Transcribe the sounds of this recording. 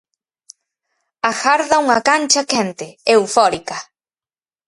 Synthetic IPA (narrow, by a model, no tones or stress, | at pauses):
axaɾðauŋakant͡ʃakẽnt̪eewfoɾika